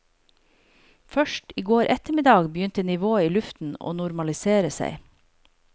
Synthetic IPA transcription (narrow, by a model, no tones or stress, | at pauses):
fœʃʈiːɡoːɾʔɛt̪əmɪd̪ɑːɡbjʏnt̪ənɪʋoːiːlʉft̪n̩o̰ːnʊɾmɑlɪseːɾəsæ̰ɪ